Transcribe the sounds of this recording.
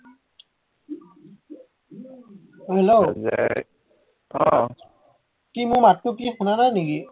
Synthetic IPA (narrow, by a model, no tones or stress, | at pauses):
ɦelozḛ | ɔ | kimʊɹmatːukixunananiki